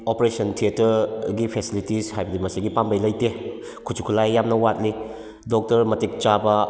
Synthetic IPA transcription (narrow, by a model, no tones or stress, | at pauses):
opɾesɐntʰietɐɾɡipʰesilitishajbɐdimɐsiɡipambəjlɐjte | kʰut͡ʃʰu̥kʰulajːamnɐwat̚li | dok̚tɐɾmɐtik̚t͡ʃabɐ